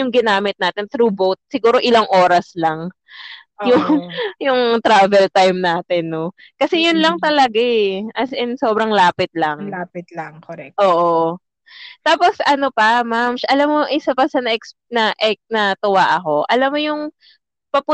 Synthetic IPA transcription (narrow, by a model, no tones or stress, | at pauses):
jʊŋɡɪnaːmɪt̪̚naːt̪ɪnθɾubowt̪̚sɪɡuːɾo̞ʔɪlaŋʔoːɾɐslaŋ | jʊjʊŋt̪ɾaːvɛlt̪ajmnaːt̪ɛnːo | kɐsɛjʊnlɐŋt̪ɐlɐɡaʔɐsɛnsoːbɾɐŋlaːpɪt̪̚lɐŋlapɪt̪laŋkɾɛʔoːʔo | t̪aːpo̞sʔɐnopɐmamʃaʔɐlamːoŋʔɪsapɐsɐnɐʔɛks | nɐʔɛk̚nɐt̪ʊwaʔɐko̞ʔɐlamːojʊŋ | pɐpʊ